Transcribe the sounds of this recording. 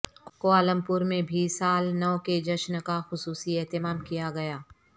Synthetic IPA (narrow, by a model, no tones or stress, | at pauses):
koaːlə̃mpʊɾmẽbʱiːsaːlnɔːked͡ʒɐʃnkaxʊsuːsiɛɦt̪ɪmaːmkijaɡɐjaː